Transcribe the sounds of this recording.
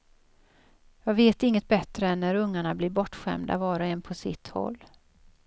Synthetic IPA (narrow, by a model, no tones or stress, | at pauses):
jɑːɡveːt̪ɪŋːət̪̚bɛt̪ɾəɛnːæɾɵŋːaɳablɪɾbɔʈːɧɛ̰md̪a̰vɑːɾaɛnpʰɔsɪ̰t̪hɔ̰lː